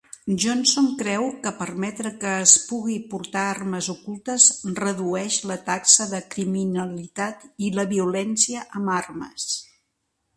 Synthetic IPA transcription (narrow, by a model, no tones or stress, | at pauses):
ʒonsoŋkɾɛwkəpərmɛt̪ɾəkəːspuɣipuɾt̪aarməzukulˠt̪əzrəðuɛʃlət̪aksəðəkɾiminəlit̪at̪iləβiulɛnsiəʔəmarmə̰s